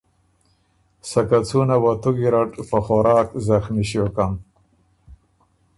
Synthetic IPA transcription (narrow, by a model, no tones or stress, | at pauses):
sakat͡sunawat̪uɡiɾaʈpəxoɾɑːkzaxmiʃjokam